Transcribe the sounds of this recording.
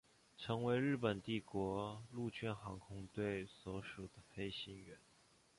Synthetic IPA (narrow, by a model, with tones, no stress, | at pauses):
ʈ͡ʂʰɤ˧˥ŋwe˧˥ɪɻɻ̩˥˩pə˨˩nt̪i˥˩kwɔ˧˥lu˥˧t͡ɕʰɛ˥˩nxɑ˧˥ŋkʰʊ˥ŋt̪we˥˩ɪswɔ˧˥ʂu˨˩d̪ə˦fe˥ɪɕi˥nɥɛ˧˥n